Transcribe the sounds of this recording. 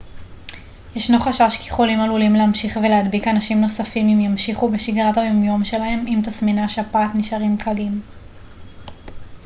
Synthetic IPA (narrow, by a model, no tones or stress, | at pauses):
jeʃnoχaʃaʃkiχolimalulimleamʃiχvelead̪bikanaʃimno̞safimimjamʃiχubeʃiɡʁatajomjo̞mʃe̞lahe̞mimt̪asminaʃeapaːtniʃaʁimkʰalim